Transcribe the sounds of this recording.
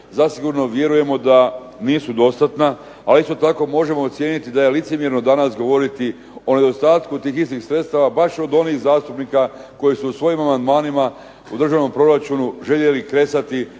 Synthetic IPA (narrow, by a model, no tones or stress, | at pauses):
zasiɡuɾno̞ʋje̞ɾuje̞mo̞d̪a | niːsud̪o̞st̪at̪na | alist̪o̞t̪ako̞ːmo̞ʒe̞mo̞ːt̪sje̞ːnit̪id̪aje̞lit̪semjeɾno̞d̪anasɡo̞ʋo̞ɾit̪i | o̞ne̞d̪o̞st̪aːt̪kut̪iːxist̪ixsɾet̪st̪aʋabaʃo̞d̪o̞niːxzaːst̪upnikako̞jisuːsʋo̞jimamand̪maːnima | ud̪r̩ʒaʋno̞mpɾo̞ɾat͡ʃunuʒe̞ʎe̞likɾe̞sat̪i